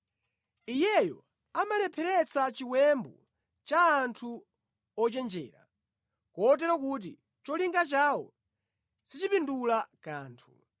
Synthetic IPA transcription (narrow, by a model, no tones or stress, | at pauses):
ijɛjɔ̰ | amalɛpʰɛɾɛt͡sʰat͡ʃiwɛmbɔ | t͡ʃaːntʰu | ɔt͡ʃɛnd͡ʒɛ̰ːɾa̰ | kɔːt̬ɛɾɔkuːt̬ḭ | t͡ʃɔliŋɡat͡ʃaːwɔ̰ | sit͡ʃipindulakaːntʰu